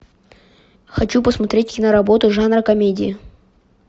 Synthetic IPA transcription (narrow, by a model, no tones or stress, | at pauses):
xɐt͡ɕupəsmɐt̪ɾʲetʲkʲɪnəɾɐbo̞t̪ʊʐanrəkɐmʲedʲɪɪ